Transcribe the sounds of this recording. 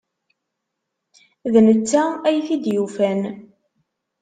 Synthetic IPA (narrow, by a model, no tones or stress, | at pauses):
ðnət͡sːææjθid̪jufæn